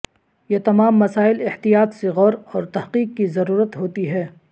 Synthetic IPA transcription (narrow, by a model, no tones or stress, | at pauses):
jet̪ɐmaːmːɐsaːɪlɪht̪ijaːt̪seɣɔːɾɔːɾt̪ɐhqiːqkizɐɾuːɾət̪ɦoːt̪iɦɛː